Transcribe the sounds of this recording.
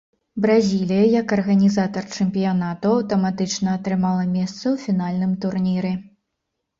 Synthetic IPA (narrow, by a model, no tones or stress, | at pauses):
bɾazʲilʲijɐjɐkɐrɣɐnʲizat̪ɐrt͡ʂɛmʲpʲijan̪at̪uɐwt̪ɐmat̪ɨt͡ʂnɐːt̪ɾɨmalˠɐmʲɛst̪sɐwfʲinalʲnɨmt̪urnʲiɾɛ